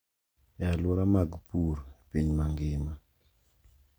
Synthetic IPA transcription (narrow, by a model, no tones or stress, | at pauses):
jaluɾamaɡpuɾpiɲmaŋɡeːma